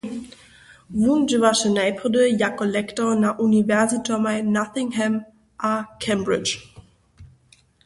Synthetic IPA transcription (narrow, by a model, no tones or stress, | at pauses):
vund͡ʒəvaʃənaɪpʰʁɔdəjakolɛktɔnaʔunivɛɐzitʰɔmanaθɪŋɦɛm | ʔakʰɛmbʁɪt͡ʃ